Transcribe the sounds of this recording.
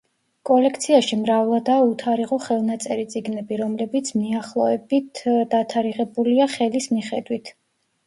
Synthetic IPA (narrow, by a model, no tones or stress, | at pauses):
kʼɔlɛk̚ʰt̪sʰiaʃimɾavlˠad̪aut̪ʰaɾiʁɔχɛlˠnat̪sʼɛɾit̪sʼiɡnɛbiɾɔmlɛbit̪sʰmiaχlˠɔɛbit̪ʰd̪at̪ʰaɾiʁɛbuliaχɛlismiχɛd̪wit̪ʰ